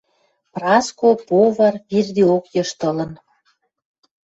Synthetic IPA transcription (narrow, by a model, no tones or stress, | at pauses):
prɑskopoβɑrβird̪iokjɤ̆ʃt̪ə̆lə̆n